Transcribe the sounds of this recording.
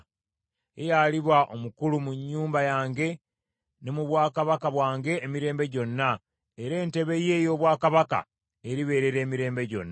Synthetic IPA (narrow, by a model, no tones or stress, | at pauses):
ḛjaliβwaʔo̞mukulumuɲːuːmbajaːŋɡe̞ | nemuβwaːkaβakaβwaːŋɡe̞ːmiɾe̞ːmbe̞ɟo̞nːa | eɾe̞ːnte̞βe̞je̞ːjo̞ːβwaːkaβaka̰ | eɾiβe̞ːɾe̞ɾe̞ːmiɾe̞ːmbe̞ɟo̞̰nːa